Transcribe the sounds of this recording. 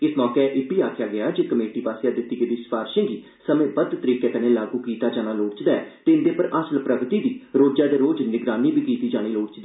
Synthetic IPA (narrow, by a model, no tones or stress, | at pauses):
ɪsmɔːkeʔɪbiːaːkʰjaːɡɪjaːd͡ʒeːkəmeːʈiːpaːseːaːd̪ɪt̪ːiːɡəd̪iːspaːɾʃə̃ŋɡiː | səmẽːbəd̪t̪əɾiːkeːk̪ənẽːlaːɡuːkiːt̪aːd͡ʒaːnaːloːɽt͡ʃd̪aːɛt̪eːɪnd̪eːpəɾəsəlpɾəɡt̪iːd̪iːɾoːd͡ʒaːd̪eːɾoːd͡ʒnɪɡɾaːniːbʱiːkiːt̪iːd͡ʒaːɽ̃iːloːɽt͡ʃd̪iː